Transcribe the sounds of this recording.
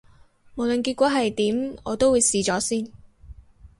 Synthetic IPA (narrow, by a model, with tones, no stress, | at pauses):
mo˨wlɵ˨nkiː˧t̚kʷɔː˨˥ɦɐ˨jt̪iː˨˥mɔː˨˧t̪o˥wu˨˧jsiː˨t͡sɔː˨˥siː˥˩n